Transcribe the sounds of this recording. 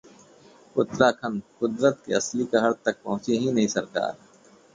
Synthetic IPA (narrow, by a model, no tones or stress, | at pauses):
ʊt̪ɾaːkʰɐnkʊd̪ɾət̪̚kḛɐslikaɦɐɾt̪ɐk̚pɐɦʊ̃t͡ʃiɦĩnɐɦĩsɐɾka̰ːɾ